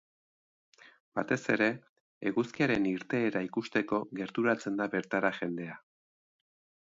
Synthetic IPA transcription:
b̥at̪e̞se̞ɾe̞ː | ɣuskiaɾe̞niɾt̪e̞ːɾaikust̪e̞ko̞ɣe̞ɾt̪uɾat͡se̞nd̪aβe̞ɾt̪aɾaxe̞nd̪e̞a

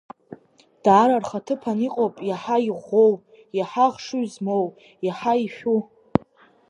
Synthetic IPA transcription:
d̥aːɾarχatʰɨpʰaniqʼowpʼjaħaiʁʷow | jaħaʁʂuɥzmow | jaħaiʃᶣu

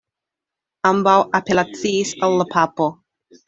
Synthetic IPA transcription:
ambawʔapelat͡siːsalːapʰapo

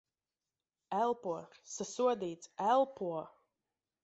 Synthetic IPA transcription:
ælˠpuɔsasuɔd̪iːt̪sælˠpuɔ

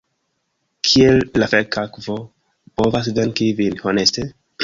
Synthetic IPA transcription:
kʰielːafekakvo̞ | po̞vas̬dankivinho̞ne̞ste

